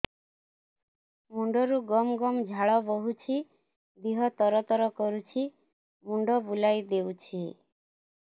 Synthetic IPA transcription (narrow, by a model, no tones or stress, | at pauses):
muɳɖɔɾuɡɔmɡɔmd͡ʒʱaɭɔbɔɦut͡ʃʰi | d̪iɦɔt̪ɔɾɔt̪ɔɾɔkɔɾut͡ʃʰi | muɳɖɔbulajd̪ewt͡ʃʰi